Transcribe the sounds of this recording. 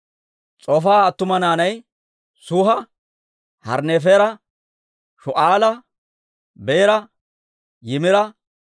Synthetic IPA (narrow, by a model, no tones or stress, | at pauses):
t͡sʼɔfaːt̪ːʊmɐnaːnɐj | sʊɦɐ | hɐ̰ɾneːfeːɾɐ | ʃɔʔaːlɐ | beːɾɐ | jɪmɪɾɐ